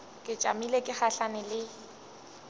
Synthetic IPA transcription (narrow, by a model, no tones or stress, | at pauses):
kʼɪt͡ʃʼa̰milekʼɪχaɬanɪlɪ